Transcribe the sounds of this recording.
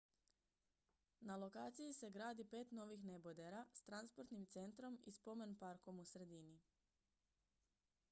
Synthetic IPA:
nalo̞kaːt̪sijise̞ɡɾaːd̪ipe̞ːt̪no̞ʋixne̞bod̪e̞ɾast̪ɾanspo̞ɾt̪nimt̪se̞nt̪ɾo̞mḭspo̞me̞npaɾko̞musɾe̞d̪ini

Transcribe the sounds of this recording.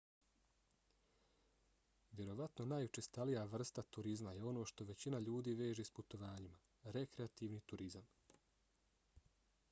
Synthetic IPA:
ʋʲje̞ɾo̞ʋat̪no̞najut͡ʃest̪alijaʋr̩st̪at̪uɾizmaje̞o̞no̞ːʃt̪o̞ʋe̞t͡ɕinaʎuːd̪iːʋe̞ːʒesput̪o̞ʋaːɲima | ɾe̞kɾeat̪iːʋniːt̪uɾizam

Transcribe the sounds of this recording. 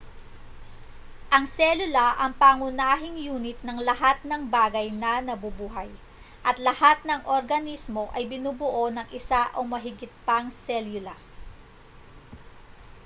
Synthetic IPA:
ʔɐŋsɛlʊlɐʔɐŋpaːŋʊnaːɦɪŋjuːnɪt̪̚nɐŋlɐɦat̪̚nɐŋbaːɡɐjnɐnɐbʊbuːɦɐj | ʔɐt̪lɐhat̪̚nɐŋʔoɾɡɐnismo̞ʔɐjbɪnuːbʊʔo̞nɐŋʔɪsaʔomɐɦɪɡɪt̪̚pɐŋsɛljʊlɐ

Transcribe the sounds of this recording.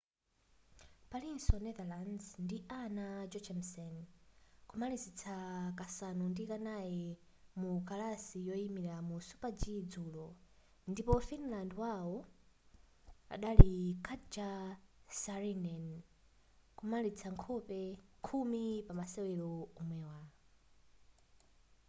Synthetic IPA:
palinsɔnɛðalanzndiʔanad͡ʒɔt͡ʃʰɛmsɛnkumalizit͡sʰakasanundikanajɛ | mukalasijɔimiɾamusu̥pad͡ʒid͡zulɔ | ndipɔfinlandwawɔ | a̰ɗalikʰatd͡ʒasaɾinɛn | kumalit͡sʰaŋkʰɔpɛkʰumipamasɛwɛlɔumwɛwa

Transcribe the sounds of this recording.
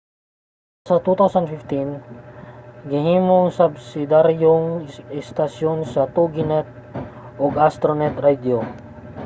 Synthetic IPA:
sɐt̪ut̪awsɐnfɪft̪in | ɡɪhiːmoŋsɐbsɪd̪aɾjoŋɛst̪ɐsjonsɐt̪uɡɪnɛt̪̚ | ʔoɡast̪ɾonɛt̪ɾad̪o

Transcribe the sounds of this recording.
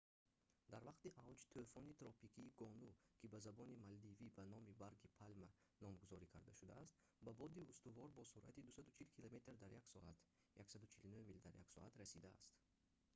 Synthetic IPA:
d̪aɾvaqt̪iʔavd͡ʒt̪ʰøfɔnit̪ɾɔpikʰiːɡɔnukʰibazabɔnimald̪ivibanɔmibaɾɡipʰalma | nɔmɡuzɔɾikʰaɾd̪aʃud̪a̰ːst̪ | babɔd̪iust̪uvɔɾbɔsuɾʔa̰t̪id̪usad̪ut͡ʃʰilkʰilame̞t̪ɾd̪aɾjaksɔʔat̪ | jaksad̪ut͡ʃʰilunuhmild̪aɾjaksɔ̰at̪ɾasid̪aa̰st̪

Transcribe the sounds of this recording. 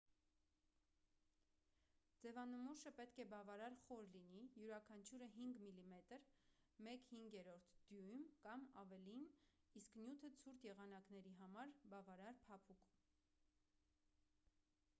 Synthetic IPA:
d͡zɛvɑnəmuʃəpɛt̪kʰɛbɑvɑɾɑɾχɔɾlinijuɾɑkʰɑnt͡ʃʰuɾəɦiŋɡmilimɛt̪əɾmɛkhiŋɡjɛɾɔɾt̪ʰd̪̥jujmkɑmɑvɛlin | isknjut̪ʰət͡sʰuɾt̪ʰjɛʁɑnɑkn̪ɛɾiɦɑmɑɾbɑvɑɾɑɾpʰɑpʰukum

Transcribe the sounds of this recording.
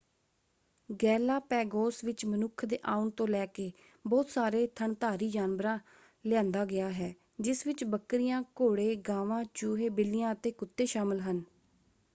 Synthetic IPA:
ɡɛːlaːpɛːɡoːsʋɪt͡ʃmənʊkʰd̪ḛːʔaːʊnt̪õːlɛːkeː | bɔːt̪saːɾeːt̪ʰəɳt̪aːɾiːd͡ʒaːnʋɾãː | lɪjãːnd̪aːɡɪaːɦɛː | d͡ʒɪsʋɪt͡ʃbəkːɾɪjãːkoːɽeːɡaːʋãːt͡ʃuːɦeːbɪlɪjãːət̪eːkʊt̪ːeːʃaːmɪlɦən

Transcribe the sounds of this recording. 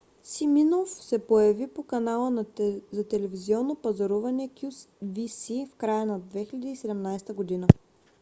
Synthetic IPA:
siminofsɛpojɐvipokɐnalˠənzɐt̪ɛlɛviziɔnːopɐzɐɾuvɐnɛkʲus | visifkɾajənɐd̪vɛxilʲɛd̪iːsɛd̪ɛmnajst̪əɡod̪inə

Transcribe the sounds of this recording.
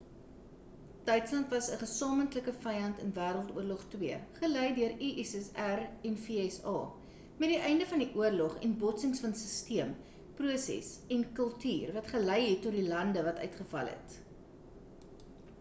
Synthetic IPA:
d̥œɥtslɐntvɐsəχəsɑːməntləkəfɐjɐntənvæːɾəlˠtuərlɔχtwiəχəlɛjdøəɾiʔɛsɛsærɛnfiɛsɑ̰ː | mɛt̚diʔɛjndəfɐndiʔuərlɔχɛ̰nbɔtsəŋsfɐnsəstiəm | pruəsɛ̰sɛnkəlˠtyːrvɐtχəlɛjɦɛtːɔtdilɐndəvɐtœ̰ɥtχəfɐ̰lɦɛ̰t

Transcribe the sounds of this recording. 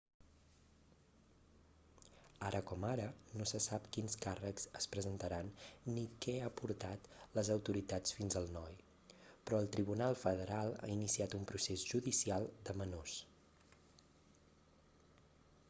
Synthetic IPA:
aɾʔəkɔmaɾənosəsapkinskarəkz̥əspɾəzənt̪əɾanːikɛapuɾt̪at̪ləzəwt̪uɾit̪at͡sfinzəlˠnɔj | pɾɔəlˠt̪ɾiβunalˠfəðəɾalˠa̰inisiat̪umpɾusezʒuðisialˠd̪əmənos

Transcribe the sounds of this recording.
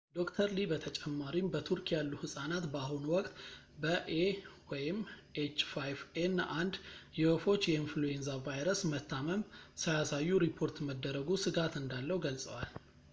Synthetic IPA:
d̪o̞kt̪ʰəɾlibət̪ʰət͡ʃʼɛmːaɾimbət̪ʰuɾkʰjalːuhɨsʼanat̪bəaɦunwɔkʼt̪ | bəʔewɔjɪmet͡ʃːfajvenːʔand̪jɛwofo̞t͡ʃːjɛinfluenzavajɾəsmət̪ʰːaməmsəjasajːuɾipʰːo̞ɾt̪məd̪ːəɾəɡusɨɡat̪ɨnd̪alːəhwuɡəlsʼə̰wal

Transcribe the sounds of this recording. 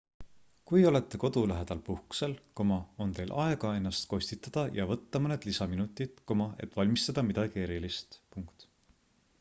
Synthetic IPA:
kujo̞le̞t̪ːe̞ko̞d̪̥ulæɦe̞d̪̥ɑlpuhku̥se̞lkomɑo̞nt̪e̞jlʔɑe̞ɡ̥ɑe̞nːɑst̪ko̞sʲt̪it̪ːˑɑd̪̥ɑjɑvɤt̪ːɑmɤne̞d̪̥lisɑminut̪ːˑid̪̥komɑe̞̰t̪ːˑvɑlʲmist̪ɑd̪̥ɑmid̪̥ɑɡ̥ie̞ɾilist̪puŋkt̪

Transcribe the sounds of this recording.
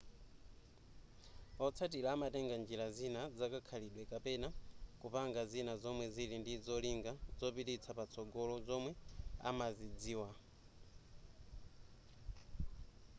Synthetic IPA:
ɔt͡sʰatiɾaːmatɛŋɡand͡ʒiɾazinad͡zakakʰaliɗwɛkapɛnakupaŋɡazinazɔmwɛzilindizɔliŋɡad͡zɔpitit͡sʰapat͡sʰɔɡɔlɔzɔmwɛa̰mazid͡ziːwa

